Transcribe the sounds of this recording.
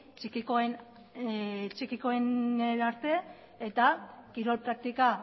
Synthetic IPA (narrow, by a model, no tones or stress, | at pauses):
t͡ʃikikoen | t͡ʃikiko̞eneɾaɾt̪e̞ | et̪akiɾo̞lpɾak̚t̪ika